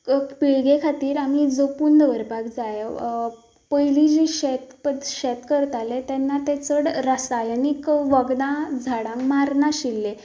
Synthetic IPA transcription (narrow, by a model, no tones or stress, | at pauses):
piɭɡekʰat̪iːɾam̤id͡zopund̪ʋəɾbʱaɡd͡zaj | pəjlid͡ʑĩɕet̪pəd̪ɕet̪kəɾt̪alet̪ɛnːat̪et͡səɽɾəsajənikʋəɡd̪ãd͡zʱaɽãmmaɾnaɕilːe